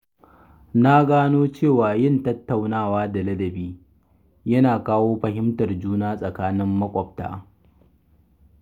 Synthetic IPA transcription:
na˦ɡaː˦noː˦t͡ʃeː˦˨waː˨jɪ˦˨ntɐ˦tːa˨wnaː˦˨waː˦da˨lɐ˦dɐ˨biː˦ | jɐ˦naː˨kaː˦woː˦ɸɐ˨ɦɪ˦mtɐ˨rd͡ʒuː˦naː˦sʼɐ˨kaː˦nɪ˦mːɐ˦kʷʼɔ˨p̚ta̰ː˦

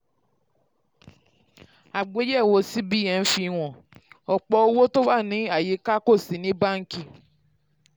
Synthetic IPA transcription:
a˨ɡ͡be˦jɛ˦˨wo˨si˦bi˦je˨n̩˦fi˦ŋʷɔ̃˨ | ɔ˨k͡pɔ˦o˦wo˦to˦ba˦˨nĩ˦a˨ji˦ka˦ko˦˨si˨nĩ˦ba˦ŋ̩˦ki˦

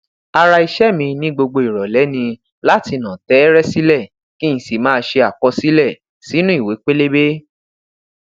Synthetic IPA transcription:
a˧ɾa˧i˧ʃɛ˦mĩ˧nĩ˦ɡ͡bo˧ɡ͡bo˧i˨ɾɔ˨lɛ˨˦nĩ˧ | la˦ti˧nã˨tɛ˨˦ɾɛ˦si˦lɛ˦˨ | kĩ˦ĩ˨si˨mãː˦˧ʃe˧a˨k͡pɔ˧˦si˦lɛ˦˨ | si˨˦nũ˦i˦˨we˨˦k͡pe˦le˦be˦

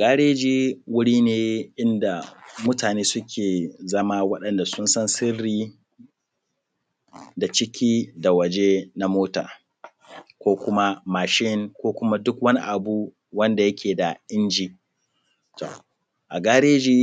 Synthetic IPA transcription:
ʔa˨ɡaː˦ɽeː˦d͡ʒiː˦wʊ˦ɽiː˦neː˨ʔɪ˦nda˨mʊ˦taː˨neː˦sʊ˦kʲʰeː˨zɐ˦ma˦wɐ˦ɗɐ˨nda˨sʊ˦nsɐ˦nsɪ˦rːiː˦ | da˨t͡ʃɪ˦kʲʰiː˦da˨wɐ˨d͡ʒe˦na˦moː˦ta̰ː˨ | kʷoː˦kʷʊ˦ma˦maː˨ʃɪ˦nkʷoː˦kʷʊ˦ma˦dʊ˦kwɐ˦ni˦ʔa˨bu˦ | wɐ˦nda˨jɐ˦kʲeː˨da˨ʔɪ˦nd͡ʒiː˦ | to̰˨ | ʔa˨ɡaː˦ɽeː˦d͡ʒiː˦

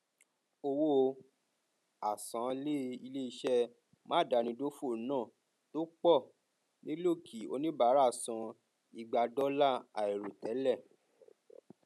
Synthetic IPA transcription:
o˧wo˦˧ | a˨sã˨˦le˦i˧le˦i˧ʃɛ˧ | mã˦˨da˧nĩ˧do˦fo˦˨˦nãː˦˨ | to˦k͡pɔ˦˨ | nĩ˦lo˦˨kʰi˨o̰˧nĩ˦ba˨˦ɾa˦˨sã˧ | i˧ɡ͡ba˧dɔ˦la˦˨a˨e˨ɾo˨tɛ˨˦lɛ˦˨

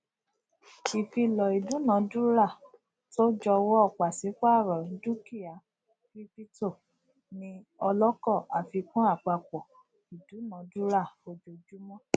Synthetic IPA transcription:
i˨fi˧lɔ˨i˨du˨˦nã˨˦du˦ɾa˦˨ | to˦d͡ʒɔ˧wɔ˦ɔ˦˨k͡pa˨si˨˦k͡pa˦˨ɾɔ̃˨˦du˦ki˦˨a˨˦ | fi˦pi˦to˦˨ | nĩ˧ɔ˧lɔ˦kɔ˦˨a˨fi˧kũ˦a˦˨k͡pa˧k͡pɔ˨ | i˨du˨˦nã˨˦du˦ɾa˦˨fo˦d͡ʒo˧d͡ʒu˦mɔ̃˦

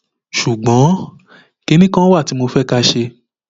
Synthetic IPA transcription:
ʃu˨ɡ͡bɔ̃˨˦ | ke˦nĩ˦kã˦wa˦˨ti˨˦mo˧fɛ˦ka˧ʃe˧

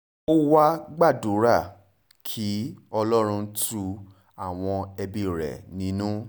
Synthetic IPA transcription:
o˦wa˦ɡ͡ba˦˨du˨˦ɾa˦˨ | kʰi˨˦ɔ˧lɔ˦ɾ̃ũ˧˦tu˧ | a˨w̃ɔ̃˧ɛ˧bĩ˧˨ɾɛ̰˨nĩ˨˦nũ˦

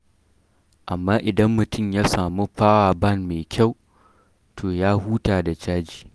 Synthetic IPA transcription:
ʔa˨mːaː˦ʔɪ˨dɐ˦mːʊ˨tʊ˦mjaː˦saː˨mu˦ɸaː˦waː˨bɐ˦˨nmeː˨kʲʰa˦˨w | tʰoː˨jaː˦huː˦taː˨da˨t͡ʃaː˦d͡ʒiː˨

